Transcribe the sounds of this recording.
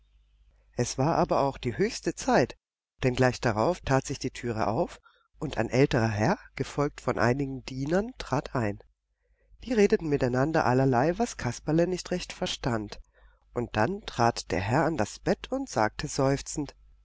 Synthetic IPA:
ʔɛsv̥aːɐʔaːbɐʔaʊxd̥iːɦøːçstət͡saɪt | d̥ɛnɡlaɪçd̥aʁaʊftʰaːtz̥ɪçd̥iːtʰyːʁ̞ə̰ʔa̰ʊf | ʔʊntʰa̰ɪnʔɛltəʁɐɦɛɐɡ̥əfɔlk̚tfɔnʔa̰ɪnɪɡŋ̩diːnɐntʁ̥aːtʰʔaɪn | v̥iːʁeːdətn̩mɪtaɪnandɐ̰ʔalɐlaɪvaskʰaspalənɪçtʁɛçtfɛɐʃtant | ʔʊnt̚d̥antʁ̥aːtd̥eːɐɦɛɐandasb̥ɛtʰʊntz̥a̰ːk̚tʰəzɔʏft͡sn̩t

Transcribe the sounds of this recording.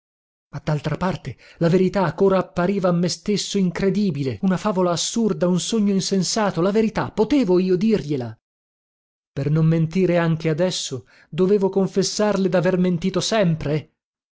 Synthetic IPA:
mad̪ːalt̪ɾapart̪elaveɾit̪akːoːɾaːpːaɾiːvaːmːest̪esːoiŋkɾed̪iːbileunafaːvolaːsːurd̪aunsoɲːoinsensaːt̪olaveɾit̪apːot̪eːvoiːod̪irʎela | pernomːent̪iːɾeaŋk̟ead̪ɛsːo | d̪oveːvokoɱfesːarled̪averment̪iːt̪osɛmpɾe

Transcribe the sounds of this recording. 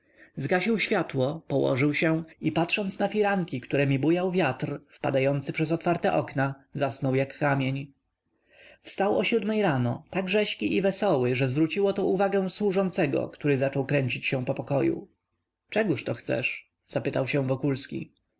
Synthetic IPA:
zɡaɕiwɕfʲjat̪wɔpɔwɔ̰ʐɘwɕɛ̃ipat̪ʂɔnt̪snafʲiɾaŋkʲikt̪uɾɛmʲibujawvʲjat̪rfpa̰d̪ajɔnt̪sɘpʂɛzɔt̪faɾt̪ɛʔɔknazasnɔwjakːamʲjeɲ | fst̪awɔɕud̪mɛjɾanɔt̪aɡʐɛɕkʲiʔivɛsɔwɘʐɛzvɾut͡ɕiwɔt̪ɔuvaɡɛw̃swuʐɔnt̪sɛɡɔ̰kt̪uɾɘzat͡ʂɔwkɾɛɲt͡ɕit͡ɕɕɛ̃pɔpɔkɔjṵ | t͡ʂɛɡuʂt̪ɔxt̪sɛ̰ʂ | z̥apɘt̪awɕɛ̃vɔkulskʲḭ

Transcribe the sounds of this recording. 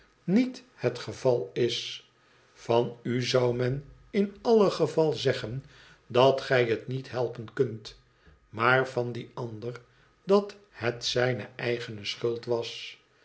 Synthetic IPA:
nit | hətχəvɑlˠɪs | fɑnyzʌwmɛn | ɪnɑləχəvɑlˠzɛχən | dɑtχɛjɦətnitɦɛlˠpənkɵnt | maːrvɑndiɑndər | dɑt | hətsɛjnə̰ɛjχənəsχɵlˠtʋɑs

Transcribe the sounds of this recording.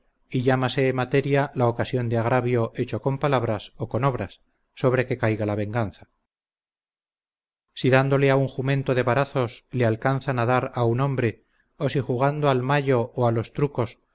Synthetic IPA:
iʎamase̞ːmat̪e̞ɾjalaokasjo̞nd̪eaɣɾaβjo̞et͡ʃo̞ko̞mpalaβɾaso̞ko̞no̞β̞ɾasː | o̞βɾe̞ke̞kajɣalaβ̞e̞ŋɡanθa | siðand̪o̞le̞auŋxumẽ̞nt̪oðe̞βaɾaθo̞slealkanθanaðaɾauno̞mbɾe̞ | o̞sixuɣ̞and̪oalmaʎo̞ːalo̞st̪ɾuko̞s

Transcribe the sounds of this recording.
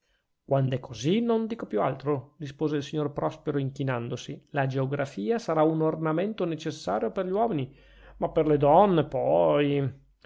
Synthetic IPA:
kwand̪oɛkʰːozinond̪iːkopjua̰lt̪ɾorispoːzeilsiɲːorpɾɔspeɾoiŋkinand̪osilad͡ʒeoɡɾafiːasaɾaunornamɛnt̪onet͡ʃesːaːɾjoperʎiwɔːmini | mapːerled̪ɔnːepɔj

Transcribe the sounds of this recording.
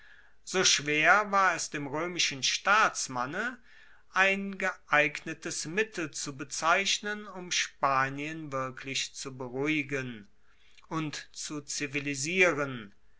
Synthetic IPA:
z̥oːʃv̥eːɐvaːɐɛsd̥eːmʁøːmɪʃən̩ʃtaːt͡smanə | ʔaɪnɡəʔaɪɡnətəsmɪtʰl̩t͡subət͡saɪɕnənʊmʃpaːniənvɪɐkʰlɪçt͡subəʁuɪɡən | ʔʊntt͡sut͡siviliziːʁən

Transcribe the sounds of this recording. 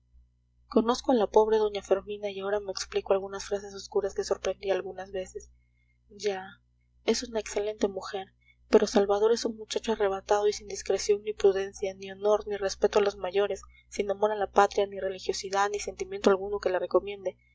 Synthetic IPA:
ko̞no̞skoalapo̞βɾe̞ðo̞ɲafe̞ɾmĩnaiao̞ɾame̞ːkspliko̞alɣunasfɾase̞so̞skuɾaske̞so̞ɾpɾe̞nd̪ialɣunazβe̞se̞s | ɟ͡ʝa | e̞sunaekse̞le̞nt̪emuxe̞ɾ | pe̞ɾo̞salβað̞o̞ɾe̞sunmut͡ʃat͡ʃoare̞βat̪aðo̞isind̪iskɾe̞sjo̞ŋnipɾuðe̞nsjanio̞no̞ɾnire̞spe̞t̪oalo̞zmaʝo̞ɾe̞sː | inamo̞ɾalapat̪ɾjanire̞lixjo̞siðaðnise̞nt̪imjent̪oalɣuno̞ke̞lare̞ko̞mje̞nd̪e̞

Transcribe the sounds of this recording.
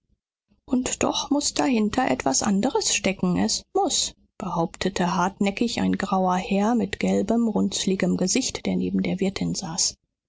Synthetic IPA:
ʔʊntd̥ɔ̰χmʊsd̥ahɪntʰɐʔɛtv̥asʔa̰ndəʁəsʃtɛkŋ̩ʔɛsmʊs | b̥əhaʊptʰətʰəɦaɐtnɛkɪça̰ɪnɡʁaʊɐhɛːɐmɪtɡ̥ɛlbəmʁʊnt͡slɪɡəmɡəzɪçtd̥eːɐnḛːbm̩deːɐvɪɐtʰɪnz̥aːs

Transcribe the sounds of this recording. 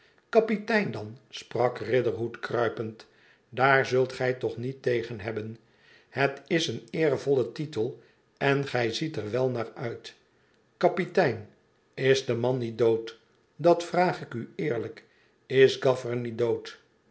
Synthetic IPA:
kɑpitɛjndɑnsprɑkrɪdəɹɦutkrœɥpənt | daːɹzɵlˠtχɛjtɔχnitejχənɦɛbən | hətɪsənɪːrvɔlətitəlˠ | ɛnχɛjzitəɹʋɛlˠnaːɹœɥt | kɑpitɛjn | ɪzdəmɑnːit̚dowt | dɑtfraːχɪkyɪːɹlək | ɪsɡɑfəɹnit̚dowt

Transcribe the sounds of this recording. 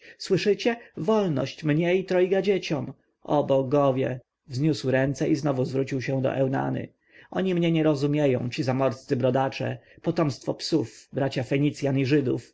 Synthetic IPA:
swɘʂɘt͡ɕɛvɔlnɔ̰ɕt͡ɕmɲɛit̪ɾɔjɡad͡ʑet͡ɕɔm | ɔbɔɡɔvʲjɛ̰ | vzɲuswɾɛnt̪sɛʔiznɔvuzvɾut͡ɕiwɕɛ̃d̪ɔ̰ʔɛwna̰nɘ̰ | ɔɲimɲɛɲɛɾɔzumʲjejɔ̰̃w̃t͡ɕizamɔɾst̪sɘbɾɔd̪at͡ʂɛ̰pɔt̪ɔmst̪fɔpsufbɾat͡ɕafɛɲit̪sʲjaniʐɘd̪ṵf

